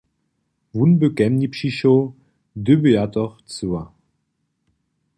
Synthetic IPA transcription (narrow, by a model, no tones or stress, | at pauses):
vunbəkɛmnipʃiʃo | døbəatɔχt͡sua